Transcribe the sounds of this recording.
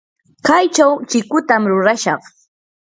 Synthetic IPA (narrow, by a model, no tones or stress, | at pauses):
kajt͡ʃawt͡ʃɪkʊt̪amɾʊɾaʃɑχ